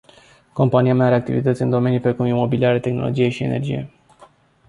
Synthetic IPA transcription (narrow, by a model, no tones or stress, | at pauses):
ko̞mpaniameaɾeak̚t̪ḭvit̪ət̪sʲɨnd̪o̞me̞nijpɾekumimo̞biliaɾet̪e̞xno̞̰lo̞d͡ʒije̞ʃie̞ne̞̰rd͡ʒḭje̞̰